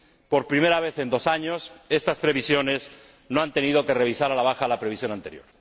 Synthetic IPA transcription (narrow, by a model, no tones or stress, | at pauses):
po̞ɾpɾime̞ɾaβ̞e̞θe̞nd̪o̞saɲo̞se̞st̪aspɾe̞β̞isjo̞ne̞s | noant̪e̞niðo̞ke̞re̞βisaɾalaβ̞axalapɾeβisjo̞nãnt̪e̞ɾjo̞̰ɾ